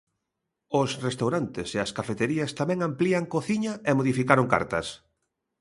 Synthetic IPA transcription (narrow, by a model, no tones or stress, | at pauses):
ʊsrest̪awɾant̪eseɐskafet̪eɾiɐst̪amɛ̃ŋampliɐŋkoθiɲɐemoðifikaɾoŋka̰ɾt̪ɐ̰s